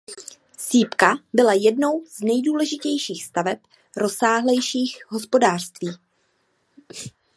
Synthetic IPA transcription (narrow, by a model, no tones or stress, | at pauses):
siːpkabɪlajɛdno̞wz̥nɛjduːlɛʒɪcɛjʃiːxst̪avɛp | ɾo̞saːɦlɛjʃiːxɦo̞spo̞daːr̝̥st̪viː